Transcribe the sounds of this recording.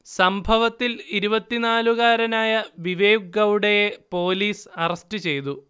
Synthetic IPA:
sɐmbʱɐʋɐt̪ːiliɾubɐt̪ːinaːluɣaːɾɐnaːjɐʋiʋeːjuɡɐwuɽejepo̞ːliːsɐrɐstɨt͡ɕe̞jt̪u

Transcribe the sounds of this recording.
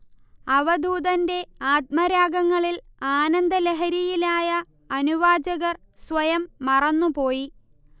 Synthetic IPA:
ɐʋɐd̪ʱuːd̪ɐnde̞aːt̪̚mɐɾaːɡɐŋːɐɭilaːnɐnd̪ɐleɦɐɾijilaːjɐː | nuʋaːd͡ʑɐɣɐr | sʋɐjɐmːɐrɐnːupo̞ːji

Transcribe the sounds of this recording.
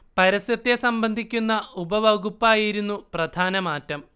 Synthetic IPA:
pɐɾɐsjɐt̪ːesɐmbɐnd̪ʱikʲːunːɐubɐʋɐɡupːaːjiɾunːuprɐd̪ʱaːnɐmaːtːɐm

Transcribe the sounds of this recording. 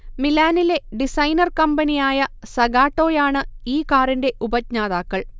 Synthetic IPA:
milaːnile̞ɖisɐjnɐrkɐmbɐnijaːjɐsɐɡaːʈːo̞ːjaːɳɨiːkaːrinde̞ʔubɐt̚ɲaːðaːkːɐɭ

